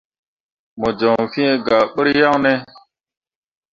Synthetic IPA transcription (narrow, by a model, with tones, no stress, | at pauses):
mo˨d͡ʒo˨ŋfi˦e˦ɡa˨ɓə˦ɾja˦ŋne˦